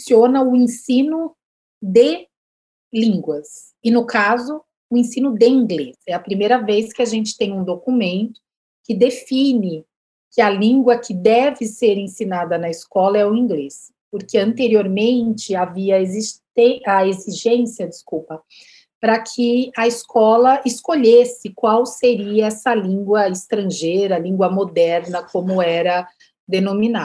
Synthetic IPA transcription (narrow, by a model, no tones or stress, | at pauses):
siõnɐʊẽsĩnʊ | d̪e | lĩŋɡwɐs | ɪnʊkazʊ | ʊẽsĩnʊd̪eĩŋɡlesɛɐpɾimejɾɐveskɪaʒẽnt͡ʃɪ̥t̪ẽj̃ũd̪okumẽnt̪ʊ̥ | kɪd̪efĩnɪ | kɪɐlĩŋɡwɐkʰɪd̪ɛvɪseɾẽsinad̪ɐnɐɪskɔlɐɛʊĩɡles | poɾkeɐ̃nt̪eɾioɾmẽnt͡ʃɪaviɐezist̪eɐeziʒẽsiɐd͡ʒɪskuwpɐ | pɾɐkʰɪɐɪskʰɔlɐɪskoʎesɪkwawseɾiɐɛsɐlĩŋɡwɐɪst̪ɾɐ̃ʒejɾɐlĩŋɡwɐmod̪ɛɾnɐkõmʊɛɾɐ | d̪enomina